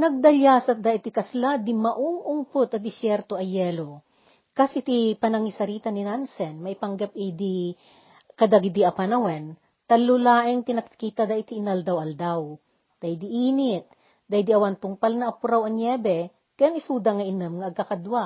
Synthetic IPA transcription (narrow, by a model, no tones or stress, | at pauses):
nɐɡ̚d̪ɐljasɐt̪̚d̪aʔɪt̪ɪkɐslad̪ɪmɐʔʊŋʔʊŋpʊt̪ɐd̪ɪsjɛɾt̪oɐjɛːlo | kasɪt̪ipɐnɐŋisɐɾiːt̪ɐnɪnansɛnmɐhɪpɐŋɡɐp̚ɛd̪i | kɐd̪aɡɪd̪iʔɐpanɐwɛn | t̪ɐlʊlaːʔɪŋt̪ɪnɐkkiːt̪ɐd̪aʔɪt̪iːnald̪awʔɐld̪aw | d̪̥ajd̪ɪʔiːnɪt̪̚ | d̪ajd̪iɐwant̪ʊŋpalnɐʔːpʊɾawɐŋjɛːbɛ | kɐjaŋɪsuːd̪ɐŋɐʔɪnɨmŋɐʔɐɡ̚kɐkɐd̪waʔ